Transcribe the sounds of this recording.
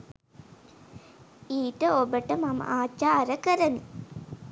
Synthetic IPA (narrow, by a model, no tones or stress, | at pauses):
iːʈəobəʈəmamə̰ʔaːt͡ʃaːɾəkəɾəni